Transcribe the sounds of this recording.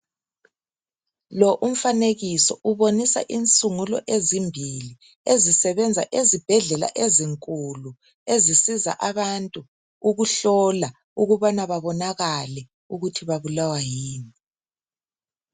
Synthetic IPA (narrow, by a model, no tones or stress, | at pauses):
lɔʔum̩faneɣisɔʔuβonisa̰ʔint͡sʼuŋulɔ̰ʔezimbʱili | ezisɛβɛnd͡zʱa̰ʔezib̥ʱɛɮɛla̰ʔeziŋkʼulu | ezisiza̰ʔaβantʼu | uɣuɬɔla | uɣuβanaβaβɔnaɣalɛ | uɣutʰiβaβulawajiːni